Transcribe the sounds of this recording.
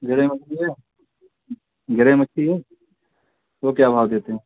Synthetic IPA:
ɡɪɾeːmɐt͡ʃʰːiɦɛː | ɡɪɾeːmətːʃʰiɦɛː | ʋokjaːbʱaːʋd̪eːt̪eɦɛ̃ː

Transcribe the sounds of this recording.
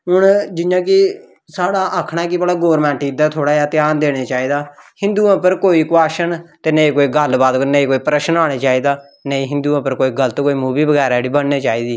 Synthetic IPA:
ɦʊɳd͡ʒɪãːk̬ɪ | saːɽaːʔəkʰɽ̃aːkɪbəɽaːɡoːɾmɛ̃ːɳʈiːd̪aːt̪ʰoːɽaːjaːt̪ɪjaːnd̪eːɽ̃eːt͡ʃaːiːd̪aːhɪ̃nd̪uːãːpəɾkoːiːkʊaːʃənt̪eːnəĩːkoːiːɡəlbaːd̪knəĩːkoːiːpɾəʃənaːɽ̃eːt͡ʃaːiːd̪aː | nəĩːɦɪ̃nd̪uːãːpəɾkoːiːɡələt̪koːiːmuːbiːbəɡɛːɾaːɽiːbənːeːt͡ʃaːiːd̪iː

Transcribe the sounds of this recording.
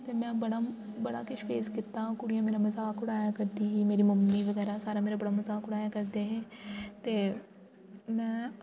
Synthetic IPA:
t̪emɛ̃bɐɽabɐɽa̰kɪʃfeːzkɪt̪ːaɦũkʊɽijãmeːɾamɐzaːkʊɽaːjakɐɾt̪iɦimeːɾimɐmːiʋɐɣɛːɾasaːɾameːɾabɐɽamɐzaːkʊɽaːjakɐɾt̪eɦɛ̃ːt̪eː | mɛ̃ː

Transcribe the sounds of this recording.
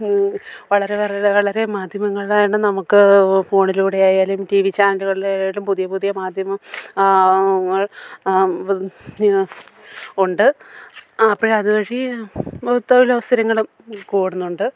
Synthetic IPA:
ʋɐɭɐɾe̞ʋɐʋɐɭɐɾe̞maːd̪ʱjɐmɐŋːɐɭɭaːjuɳɨnɐmukːɨfoːɳiluːɽejaːjaːlumʈiʋit͡ɕːaːrnduɣɐɭejaːlumpuðijɐpuðijɐmaːd̪ʱjɐmɐm | ɐɭ | uɳɖɨ | ɐpːoːɻɐðuʋɐɻi | t̪ːoʋilɐʋɐst̪ʰɐɾɐŋːɐɭum | kuːɽunːuɳɖɨ

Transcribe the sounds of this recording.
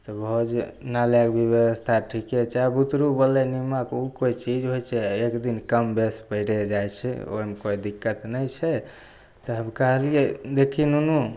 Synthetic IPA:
t̪ɔbəɦud͡ʒnalekbʱibjewəst̪ʰaʈʰikɛt͡ʃabut̪ɾubəlenimakukoit͡ʃid͡ʒɦojt͡ʃʰɛekd̪inkəmbespəɪʈed͡ʒajt͡ʃʰɛ̰o̰mekoid̪ikːət̪nəjt͡ʃʰɛ | t̪ɔɦəmkəɦəlied̪ekʰinunu

